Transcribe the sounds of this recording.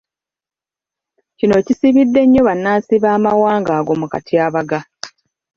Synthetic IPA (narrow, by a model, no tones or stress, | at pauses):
cino̞cisiβidːe̞ɲːo̞βanːaːnsiβaːmawaːŋɡaːɡo̞muka̰tʰiaːβaɡa